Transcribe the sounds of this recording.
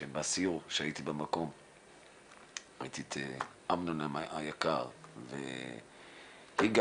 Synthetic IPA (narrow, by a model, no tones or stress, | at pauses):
embeasiuʁuʃeait̪ibemako̞m | ait̪it̪ʰeʔamnonamaajakaʁvḛ | hiɡ